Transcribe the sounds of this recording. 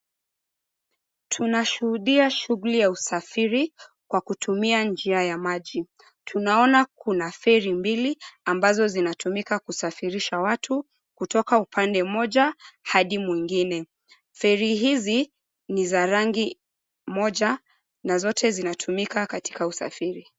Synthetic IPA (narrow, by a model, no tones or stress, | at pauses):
tʰunaʃuhuɗiaʃuɣulijausafiɾi | kwakutumiand͡ʒiajamaʄi | tʰunaɔnakunaθɛɾimbiliambazɔzinatumikakusafiɾiʃawatʰu | kutɔkaupʰandɛmɔʄahaɗimwiŋɡinɛ | fɛɾiɦizi | nizaɾaŋɡi | mɔʄa | nazɔtʰɛzinatʰumikakati̥kausa̰fiɾi